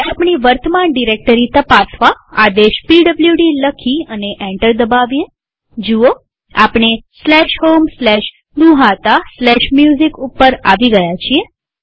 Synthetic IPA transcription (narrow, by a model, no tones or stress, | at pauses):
apɳiʋəɾt̪ʰəmanɖiɾek̚ʈəɾit̪əpasʋaad̪eʃpiɖəbljuɖiləkʰiəneʔɛ̃ɳʈəɾd̪əbaʋje | d͡ʒuo | a̰pɳ̃eslɛʃhomslɛʃ | ɡ̪uɦat̪aslɛʃmjuzikupːəɾa̰ʋiɡəjat͡ʃʰie